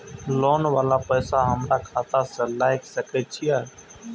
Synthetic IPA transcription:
lɔːnʋaːlapəːsaɦəmɾakʰaːt̪asəlaːɪksəkɛt͡ʃʰijaː

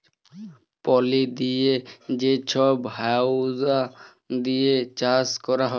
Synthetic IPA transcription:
pɔlid̪ijed͡ʒet͡ɕʰɔbɦawza | d̪ijet͡ʃaskɔɾaɦɔe

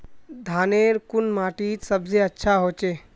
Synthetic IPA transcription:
d̪ʱaːneːɾkʊnmaːʈiːt͡ʃsəbseətːʃʰaɦoːt͡ʃeː

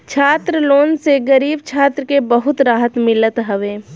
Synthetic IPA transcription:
t͡ʃʰaːt̪ɾəloːnseɡəɾiːbt͡ʃʰaːt̪ɾəkebəɦʊt̪ɾaːɦət̪mɪlət̪ɦəʋeː

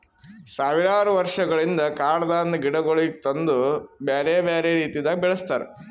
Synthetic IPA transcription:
saːʋiɾaːɾuʋɐɾʂɐɡɐɭind̪ɐkaːɽɐd̪aːnːɐɡiɽɐɡoɭit̪ɐnd̪ubeːɾebeːɾeːɾiːt̪id̪aːɡbɛɭɐst̪aːɾḛ

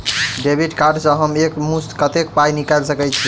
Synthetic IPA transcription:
ɖebʱiʈkaɾɖsə̃ɦəmekmust̪kət̪ekpajnikalsəkɛt͡ʃʰi

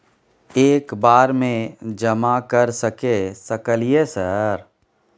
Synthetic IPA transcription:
eːkbaːɾmẽd͡ʒəmakəɾsəkesəkəliesəɾ

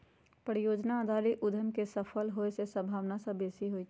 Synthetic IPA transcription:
pəɾjoːd͡ʒnad̪ʱaːɾiʔʊd̪ʱəmkesəpʰəlɦoesesə̃mbʱaːʋnasəbeːsiɦoi

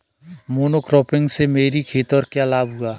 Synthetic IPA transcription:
moːnokɾɔːpɪ̃ŋɡsemeːɾikʰeːt̪əɾkjalaːbɦuaː

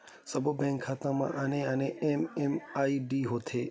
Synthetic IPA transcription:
səbʱbɛ̃ŋkʰːaːt̪ãmã̰ʔəneəneememaːiɖiːɦoːt̪ʰeː

